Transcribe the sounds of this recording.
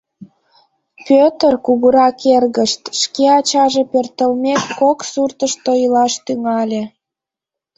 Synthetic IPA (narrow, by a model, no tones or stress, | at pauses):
pøt̪ərkuɣəɾɑkerɣəʃt̪ʃkeɑt͡ɕɑʒepørt̪əlmekːoksurt̪əʃt̪ojəlɑʃt̪yŋɑlʲe